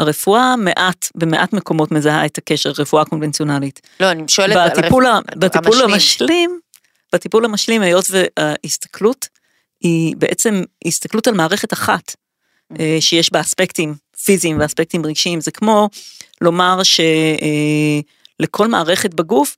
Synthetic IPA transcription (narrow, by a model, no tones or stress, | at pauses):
aʁe̞fuʔame̞ʔatbemeʔatme̞ko̞mo̞tme̞zahaethake̞ʃeʁʁefuako̞nvent͡sio̞nalit | lonʃeat̪ipulabatipulamaʃlim | b̥atipulhamaʃlimhajo̞tveahist̪ḁklut | hibeʔet͡se̞mhist̪aklutalmaːʁe̞χe̞taχat | eʃejeʃbaaspektim | fiziːmveaspek̚timʁiɡʃiimzekmo̞lo̞maʁʃe̞ | lekʰo̞lmaːʁe̞χet̚baɡuf